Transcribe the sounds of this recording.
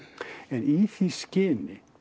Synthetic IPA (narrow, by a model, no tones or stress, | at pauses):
ɛniθiscɪnɪ